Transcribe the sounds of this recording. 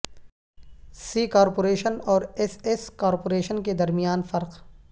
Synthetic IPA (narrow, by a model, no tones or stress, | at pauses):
siːkaːɾpoːɾeːʃənɔːɾeseskaːɾpoːɾeːʃənked̪ɐɾmijaːnfɐɾq